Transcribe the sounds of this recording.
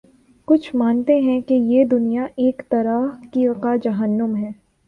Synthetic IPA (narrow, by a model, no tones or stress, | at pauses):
kʊt͡ʃʰmaːnt̪eɦɛ̃kejed̪ʊnijaʔeːkt̪ɐɾakikad͡ʒɐɦənːəmɦɛː